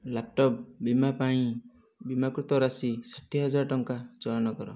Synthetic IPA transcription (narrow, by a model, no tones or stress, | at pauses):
lap̚ʈɔp̚bimapãĩ | bimakɾut̪ɔɾasisaʈʰiɦɔd͡ʒaɾʈɔŋkat͡ʃɔjɔnɔkɔɾɔ̰